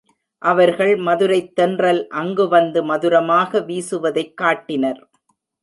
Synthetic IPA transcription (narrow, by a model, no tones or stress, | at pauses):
ʔɐʋɐɾɣɐɭmɐðɯɾɐɪt̪ːɛndrɐlʔɐŋɡɯʋɐnd̪ɯmɐðɯɾɐmaːɣɐʋiːsɯʋɐðɐɪkːaːʈːɪnɐɾ